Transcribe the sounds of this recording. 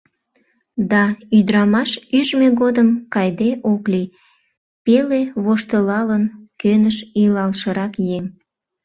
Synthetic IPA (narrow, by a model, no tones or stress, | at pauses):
d̪ɑyd̪ɾɑmɑʃyʒmeɣod̪əmkɑjd̪eʔokli | peleβoʃt̪əlɑlənkønəʃilɑlʃəɾɑkjeŋ